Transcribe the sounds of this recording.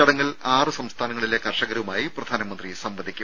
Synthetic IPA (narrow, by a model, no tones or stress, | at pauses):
ɐɽɐŋːɐɭlaːrɨsɐmst̪ʰaːnɐŋːɐɭilekɐrʂɐɣɐɾɐʋumaːjiprɐd̪ʱaːnɐmɐnd̪risɐmʋɐd̪ʱikʲːum